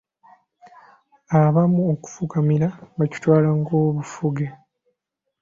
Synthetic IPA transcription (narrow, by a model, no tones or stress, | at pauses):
aβamuoku̥fukamiɾaβaci̥twaːlaŋɡo̞ːβufuɡe